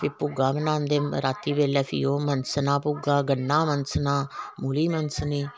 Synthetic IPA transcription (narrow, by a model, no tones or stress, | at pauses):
pʰɪpuɡaːbənãːnd̪eːɾaːt̪ːiːbeːlɛːpʰḭːoːmənsnaːpʊɡaːɡənːaːmənsnaːmuːliːmənsniː